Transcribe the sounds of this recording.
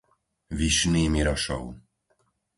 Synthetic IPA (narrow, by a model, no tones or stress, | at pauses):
ʋiʃniːmiɾɔʃɔ̰ʊ